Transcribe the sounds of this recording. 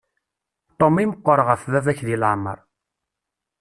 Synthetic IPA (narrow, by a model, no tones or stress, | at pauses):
t̪omːiməqʷːəɾˤʁəfðævæçðilaʕmə̰ɾˤ